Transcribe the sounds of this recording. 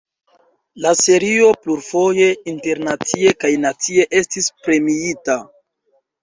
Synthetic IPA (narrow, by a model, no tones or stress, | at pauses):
lase̞ɾio̞pluɾfo̞je̞inte̞ɾnat͡sie̞kajnat͡sie̞ʔe̞stispɾe̞miita